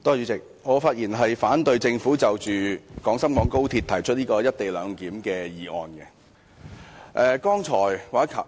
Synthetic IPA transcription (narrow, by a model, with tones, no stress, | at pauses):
t̪oː˥jy˨˧t͡sɪ˨k̚ | ŋɔː˨˧faː˧t̚jiː˨˩nɦɐ˨jfaː˨˥nt̪ɵ˨˧ɥt͡sɪ˧ŋfuː˨˥t͡sɐ˨wt͡ʃyː˨˩kɔː˨˥ŋsɐ˥mkɔː˨˥ŋko˥wt̪ʰi˧t̪ʰɐ˨˩jt͡ʃʰɵ˥niː˥kɔː˧jɐ˥t̚t̪e˨jlœː˨˧ŋkiː˨˥mkɛː˧jiː˨ɔ̰ː˨˧nkɛ˧ | ʔɛː˧kɔː˥ŋt͡ʃʰɔː˨˩jwaː˨˩˥kʰɐ˨˩